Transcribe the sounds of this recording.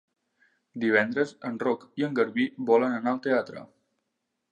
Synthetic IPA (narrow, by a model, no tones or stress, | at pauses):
d̪iβ̞ɛnd̪ɾəzənrɔkiəŋɡəɾβiβɔlənənaəlˠt̪eat̪ɾə̰